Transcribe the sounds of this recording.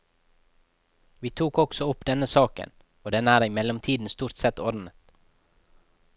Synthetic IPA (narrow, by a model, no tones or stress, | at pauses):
ʋiːt̪ʰuːkɔksɔʊpd̪ɛnəsɑːkə̰n | oːd̪ɛnæːɾɪmɛlɔmt̪ʰiːd̪n̩st̪uːɾt̪sɛt̪ɔɾn̩ət̪